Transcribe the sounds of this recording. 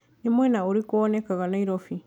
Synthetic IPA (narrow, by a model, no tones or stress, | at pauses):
nimwenauɾikuonekaɣanaiɾofi